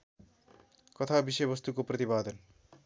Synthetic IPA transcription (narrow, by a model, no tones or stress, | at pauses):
kɔt̪ʰabiʃʌjbʌst̪ukopɾʌt̪ibaːd̪ɔn